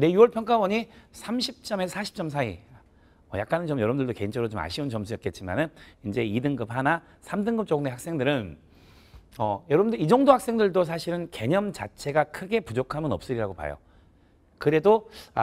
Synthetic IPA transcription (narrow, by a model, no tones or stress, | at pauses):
ne̞juwʌɭpʰjʌŋk͈abʌɲisʰamɕʰip̚t͡ɕ͈ʌmesʰaɕʰi̥p̚t͡ɕ͈ʌms̬ʰaḭ | ʌja̰k͈anɯnt͡ɕomjʌɾʌbɯndɯɭdokeint͡ɕʰʌɾot͡ɕoma̰ɕʰiunt͡ɕʌmsʰujʌt̚k͈e̞t̚t͡ɕ͈ima̰nɯnind͡ʑe̞idɯŋɡɯphana | sʰamdɯŋɡɯp̚t͡ɕ͈oɡɯnehak̚s͈e̞ŋdɯɾɯn | ʌjʌɾʌbɯndɯid͡ʑʌŋdohak̚s͈e̞ŋdɯɭdosʰaɕʰiɾɯnke̞ɲʌmt͡ɕa̰t͡ɕʰe̞ɡakʰɯɡe̞pud͡ʑokʰamjʌnʌp̚s͈ɯɾiɾaɡopa̰jo̰ | kɯɾe̞do